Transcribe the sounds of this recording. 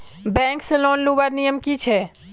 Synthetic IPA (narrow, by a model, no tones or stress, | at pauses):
bɛ̃ːŋkselɔːnlubaɾnijəmkit͡ʃʰɛː